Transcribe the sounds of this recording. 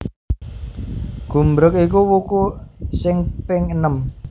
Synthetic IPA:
ɡ̥ṳmbɾʊk̚ikuwukusɪŋpɪŋənəm

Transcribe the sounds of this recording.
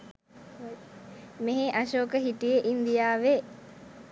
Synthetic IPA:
meɦeʔaʃoːkəɦiʈijeʔind̪ijaːʋe

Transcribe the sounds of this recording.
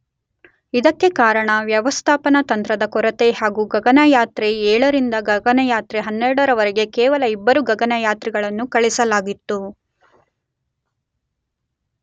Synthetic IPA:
id̪ɐkːe̞kaːɾɐɳɐʋjɐʋɐst̪ʰaːpɐnɐt̪ɐnt̪ɾɐd̪ɐkɔɾɐt̪e̞ɦaːɡuɡɐɡɐnɐjaːt̪ɾeɛːɭɐɾind̪ɐɡɐɡɐnɐjaːt̪ɾeɦɐnːɛɾɽɐɾɐʋɐɾeɡe̞kɛːʋɐlɐibːɐɾuɡɐɡɐnɐjaːt̪ɾiɡɐɭɐnːukɐɭisɐlaːɡit̪ːu

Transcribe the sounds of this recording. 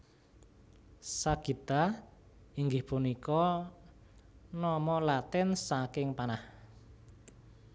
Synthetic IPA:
saɡ̥it̪a | iŋɡɪhpunikɔ | nɔmɔlat̪ɪnsakɪŋpanah

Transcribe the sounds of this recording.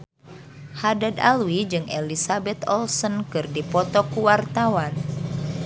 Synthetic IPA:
hadada̰lwid͡ʒɨŋɛlisabɛt̪ɔlsɔnkɨrdipɔt̪ɔkuwart̪awan

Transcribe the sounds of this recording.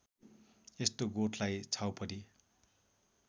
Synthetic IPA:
est̪oɡoʈʰlajt͡sʰawpʰʌɾi

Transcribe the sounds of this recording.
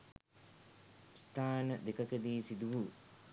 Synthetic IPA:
st̪ʰaːnəd̪ekɐkəd̪iːsid̪uʋu

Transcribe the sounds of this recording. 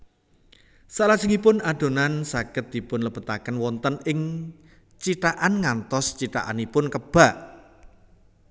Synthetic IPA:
salasiŋipʊnaɖ̪̥o̤nansakɪt̪̚d̪̥i̤pʊnləpət̪akənwɔnt̪ənɪŋ | t͡ʃit̪aʔanŋant̪ɔst͡ʃit̪a̰ʔa̰nipʊnkəb̥a̤ʔ

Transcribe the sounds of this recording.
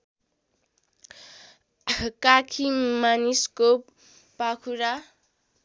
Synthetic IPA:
kakʰiŋmanisko | pakʰuɾa

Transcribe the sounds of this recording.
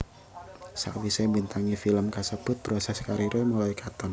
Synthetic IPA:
sa̰wisebint̪aŋifiləmkasəb̥ʊt̪̚b̥ɾosɛskaɾiɾʔomulɔikat̪ɔn

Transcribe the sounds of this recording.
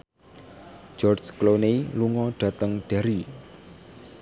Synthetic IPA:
d͡ʒɔrd͡ʒkloneiluŋɔɖ̥ä̤t̪əŋɖ̥a̤ɾi

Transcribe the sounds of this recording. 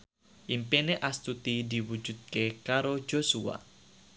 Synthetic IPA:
ʔimpeneʔast̪ut̪idiwud͡ʒut̪̚kekaɾo̥d͡ʒosua̰

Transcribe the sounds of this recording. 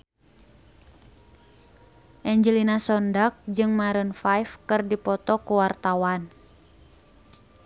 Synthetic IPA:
ʔɛɲd͡ʒəlinasɔndak̚d͡ʒɨŋmaɾənfajfkɨrdipɔt̪ɔkuwart̪awan

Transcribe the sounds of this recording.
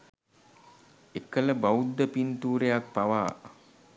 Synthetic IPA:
ekələbaud̪ːəpint̪uːɾejak̚paʋaː

